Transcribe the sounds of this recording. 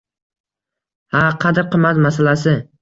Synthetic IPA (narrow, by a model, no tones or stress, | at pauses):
haqʰɑd̪ɪɾqʰɨmːat̪masalasɪ